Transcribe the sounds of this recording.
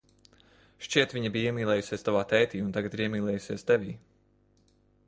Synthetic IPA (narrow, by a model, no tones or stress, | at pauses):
ʃt͡ʃiɛt̪ʋʲiɲabiːiɛmʲiːlˠɛːjusʲiɛst̪avaːt̪ɛjt̪iːunt̪aɡat̪iɾiɛmiːlˠɛːjusiɛst̪ɛvʲiː